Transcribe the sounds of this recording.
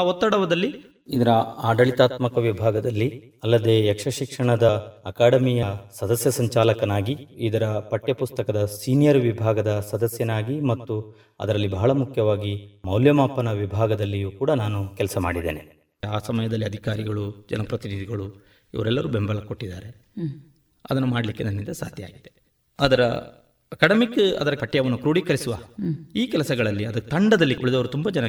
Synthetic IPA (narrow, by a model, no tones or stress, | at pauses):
ɔt̪ːɐɽɐʋɐd̪ɐlːi | id̪ɐɾɐaːɖɐɭit̪aːt̪mɐkɐʋibʱaːɡɐd̪ɐlːi | ɐlːɐd̪e̞ːɛkʂɐʃikʂɐɳɐd̪ɐːkaːɽɐmijɐsɐd̪ɐsjɐsɐɲt͡ʃaːlɐkɐnaːɡiid̪ɐɾɐpɐʈːjɐpust̪ɐkɐd̪ɐsiːnijɐɾʋibʱaːɡɐd̪ɐsɐd̪ɐsjɐnaːɡimɐt̪ːu | ɐ̰d̪ɐɾɐlːibʱɐɦɐɭɐmukʰjɐʋaːɡimɐwljɐmaːpːɐnɐʋibʱaːɡɐd̪ɐlːijuːkuːɽɐnaːnukɛlsɐma̰ːɽid̪ḛːne | aːsɐmɐjɐd̪ɐlːiɐd̪ʱikaːɾiɡɐɭud͡ʒɐ̰nɐpɾɐt̪inid̪ʱiɡɐɭu | ḭʋɐɾɛlːɐɾube̞mbɐɭɐko̞ʈːid̪aːɾe̞ | ɐ̰d̪ɐnːumaːɽɐlikːenɐnːind̪ɐsa̰ːd̪ʱja̰ːɡid̪e | ɐd̪ɐɾɐ | ɐkɐɽɐmikːɐ̰d̪ɐɾɐkɐʈːɛjɐʋɐnːukɾuːɽikɐɾisuʋaːiːkɛlɐsɐɡɐɭɐlːiɐd̪ɐt̪ɐɳɖɐd̪ɐlːiʔuɭid̪ɐʋɐɾut̪umbɐd͡ʒɐnɐ